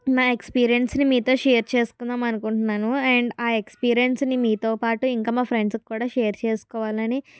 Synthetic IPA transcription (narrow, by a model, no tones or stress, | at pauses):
maːekspiːɾijɐnsnimiːt̪o̞ːʃeːɾt͡ʃe̞ːsu̥kund̪aːmɐnukuɳʈunːaːnuɛːɳɖaːekspiːɾijensnimiːt̪o̞ːpaːʈuiŋkaːmaːpʰɾe̞ɳɖskkːuːɽaːʃeːɾt͡ʃeːsu̥kɔːʋaːlɐni